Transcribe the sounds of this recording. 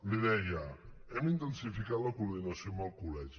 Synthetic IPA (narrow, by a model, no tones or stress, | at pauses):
liðɛjaɛmint̪ənsifikat̪lakuɾðinasjomalˠkulɛʒi